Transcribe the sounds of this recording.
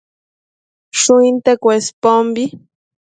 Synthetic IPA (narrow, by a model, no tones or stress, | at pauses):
ʃʊint̪ekwespombi